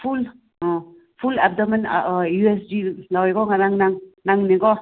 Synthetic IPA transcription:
pʰul | ɔ | pʰulap̚dɔman̰jues̬dilaweɡɔŋaɾaŋnaŋnaŋneɡɔ

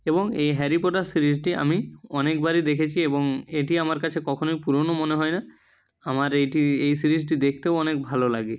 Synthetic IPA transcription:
eboŋejɦɛɾipoʈaɾsiɾisʈia̰miɔnekbaɾid̪ekʰet͡ɕʰieboŋeʈiamaɾkat͡ʃʰekɔkʰonojpuɾonomoneɦɔjna | amaɾejʈiejsiɾizʈid̪ekʰt̪ewɔnek̚bʱalolaɡe

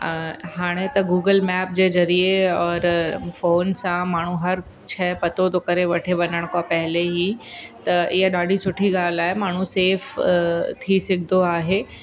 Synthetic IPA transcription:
haːɽ̃et̪ɐɡuːɡəlmɛːp̚d͡ʑezɐɾieɔːɾfoːnsãmaːɳ̤ũɦɐɾ | t͡ʃʰɛːpɐt̪ot̪okɐɾeʋɐʈʰeʋɐnəɽ̃kapɛɦɪleɦit̪ɐʔɪɦaɗaːɖʱisʊʈʰiɡaːlaːɦemaːɳ̤ũseːft̪ʰisɪkd̪oaːɦeː

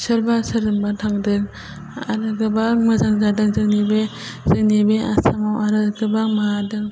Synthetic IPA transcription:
sɯɾbasɯɾɯmbatʰaŋdɯk̚ | aɾɯɡɯbakmɯzaŋzadɯŋzɯŋnibe | zɯŋnibea̰samawaɾɯɡɯbaŋmaadɯŋ

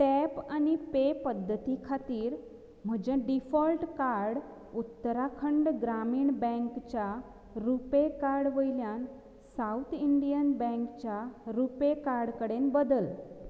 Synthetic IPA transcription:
ʈɛpanipepəd̪ʱːət̪ikʰat̪iːɾ | m̤əd͡ʑeɖifɔlʈkaɾɽ | ut̪ːəɾakʰəɳɖɡɾamiːɳbɛ̃ŋkt͡ɕja | ɾupekaɾɽʋəjljan | saut̪ʰiɳɖijənbɛ̃ŋkt͡ɕjaɾupekaɾɽkəɽenbəd̪əl

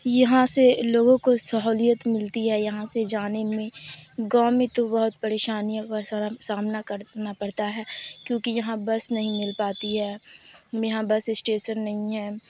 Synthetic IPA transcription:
jɐɦãseloːɡõkosɐɦoːlijət̪mɪlt̪iɦɛjɐɦãsed͡ʒaːnemẽɡãːmẽt̪obɐɦʊt̪̚pɐɾeːʃaːnijõkasaːmnakɐɾnapɐɽt̪aɦɛːkjõːkijɐɦãbɐsnɐɦĩmɪlpaːt̪iɦɛː | jɐɦãbɐsɪsʈeːʃənːɐɦĩɦɛː

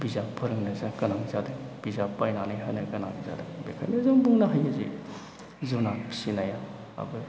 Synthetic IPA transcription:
bizapʰɯɾɯŋnɯzakɐnaŋzadɯŋb̥izapajnanajɦa̰jnɐkɐna̰ŋza̰dɯŋbekʰa̰jnɐzɯŋbuŋnɐɦajɯzḭ | zunapi̥sinaja | a̰bɯ

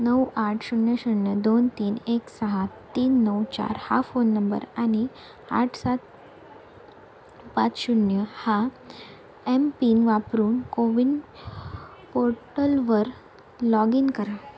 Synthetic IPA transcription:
nəwaʈʰɕuɳjəɕuɳjəd̪ont̪iːneksəɦat̪iːnːəwt͡ɕa̰ɾhafonːəmbə̰ɾañi | a̰ʈʰsat̪̚ | pat͡sɕuɳjəha | empiːnʋapɾuːnkoʋin | poɾʈəlʋəɾ | lɔɡinkəɾa

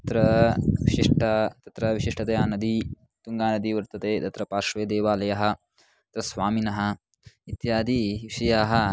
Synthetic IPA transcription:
t̪ɐt̪ɾɐʋiʃiʂʈɐt̪ɐt̪ɾɐʋiʃiʂʈʰɐt̪eːaːnɐd̪i | t̪uŋɡaːnɐd̪iʋɐɾt̪ɐt̪eːt̪ɐt̪ɾɐpaːʃʋeːd̪eːʋaːlɐjɐɦɐ̆ | ɐt̪ɾɐsʋaːminɐɦɐ̆ | it̪jaːd̪iʋiʃɐjaːɦɐ

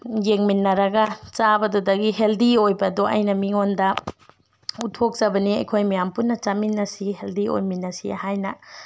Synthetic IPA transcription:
jeŋminːɐɾɐɡɐt͡ʃabɐdudɐɡiɦeldiojbɐduʔɐ̰jnɐmiŋondɐ | utʰok̚zɐbɐniɐ̰jkʰojmijampunːɐt͡ʃaminːɐsiɦeldio̰jminːɐsḭhajnɐ

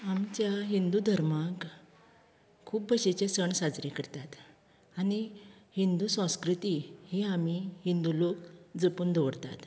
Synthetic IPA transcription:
amt͡ɕjaɦind̪ud̪ʱəɾmak | kʰuːp̚bəɕet͡ɕesəɳsad͡zɾikəɾt̪at̪ | anihind̪usə̃skɾut̪iheamihind̪ulokd͡zəpuːnd̪əʋəɽt̪a̰t̪

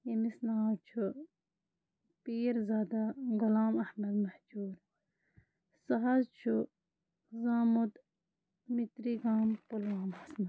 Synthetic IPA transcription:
imisnaːt͡ʃʰu | piːɾzaːd̪aɡulaːmɐhmɐd̪mɐhd͡ʒuːɾ | sɐɦɐzt͡ʃʰu | zaːmud̪ | mit̪ɾiɡaːmpulwaːmhɐsnɐ

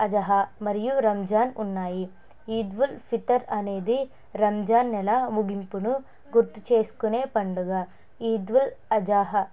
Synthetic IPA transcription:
ɐd͡ʒɐɦɐmɐɾijuɾɐmd͡ʒaːnunːaːji | iːd̪ʋulfʰit̪ɐɾɐneːd̪i | ɾɐmd͡ʒaːnːɛlɐmuɡimpunu | ɡuɾt̪u̥t͡ʃeːskuneːpɐɳɖuɡɐ | iːd̪ʋulɐd͡ʒaːɦɐ

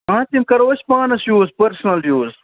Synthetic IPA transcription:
ãːt̪imkɐɾoːɕpaːnɐsjuːzpɐɾsnɐlɖjuːz

